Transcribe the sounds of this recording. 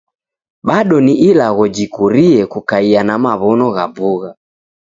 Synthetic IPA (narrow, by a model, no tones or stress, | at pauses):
ɓaɗɔniʔilaɣɔd͡ʒikuɾiɛkukaianamaβɔnɔɣabuɣa